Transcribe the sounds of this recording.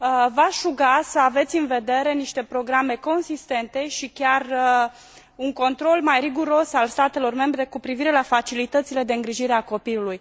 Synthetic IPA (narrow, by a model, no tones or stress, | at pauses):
vaʃuɡasəave̞t̪sʲɨnve̞d̪e̞ɾe̞niʃt̪e̞pɾo̞ɡɾame̞ko̞nsist̪e̞nt̪e̞ʃikʲarə | uŋko̞nt̪ɾo̞lmajriɡuɾo̞salst̪at̪e̞lo̞rme̞mbɾe̞kupɾiviɾe̞lafat͡ʃilit̪ət̪sile̞d̪e̞ɨŋɡɾiʒiɾe̞ako̞piluluj